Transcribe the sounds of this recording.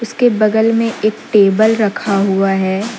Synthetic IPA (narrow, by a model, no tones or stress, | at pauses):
ʊskebɐɡ̪əlmẽʔeːk̚ʈeːbəlɾɐkʰaɦuaɦɛː